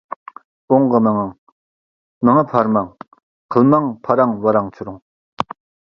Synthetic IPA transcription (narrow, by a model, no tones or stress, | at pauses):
oŋkəməŋaŋ | məŋəpʰarmaŋ | qkʰəlmaŋpʰaɾaŋwəɾaŋt͡ɕʰəɾoŋ